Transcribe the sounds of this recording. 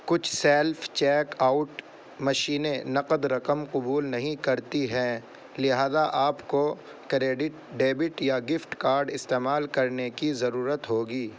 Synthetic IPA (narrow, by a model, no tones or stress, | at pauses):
kʊt͡ʃʰsɛːlft͡ʃɛːkaːʊʈ | mɐʃiːnenɐqəd̪ɾɐqəmqʊbuːlnɐɦĩkɐɾt̪iɦɛ̃ː | lɪɦaːzaʔaːpko | kɾeːɖɪʈɖeːbɪʈjaɡɪfʈkaːɾɖɪst̪eːmaːlkɐɾnekizɐɾuːɾət̪ɦoːɡiː